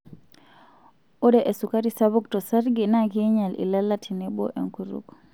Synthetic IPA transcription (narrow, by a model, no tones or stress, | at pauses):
odɛʔesukaɾisaβuktɔsaɾɡinakiɲalḭlalatʰinɛbɔ̰ʔḛŋkuɾṵk